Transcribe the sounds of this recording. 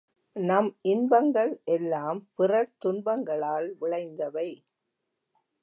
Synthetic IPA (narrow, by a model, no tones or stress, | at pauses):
nɐmʔɪnbɐŋɡɐɭʔɛlːaːmpɪrɐɾt̪ʊnbɐŋɡɐɭaːlʋɪɭɐɪnd̪ɐʋɐɪ